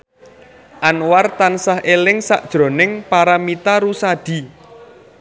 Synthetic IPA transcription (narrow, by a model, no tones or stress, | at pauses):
ʔanwart̪ansaɦʔelɪŋsa̰ʔd̥ʒ̥ɾo̤nɪŋpaɾamit̪aɾusad̪̥i̤